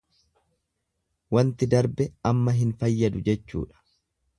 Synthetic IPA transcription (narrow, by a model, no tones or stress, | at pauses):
wɐnt̪ɪd̪ɐɾbɛɐmːɐɦɪnfɐjːɐd̪ʊd͡ʒɛt͡ʃːṵːᶑɐ̥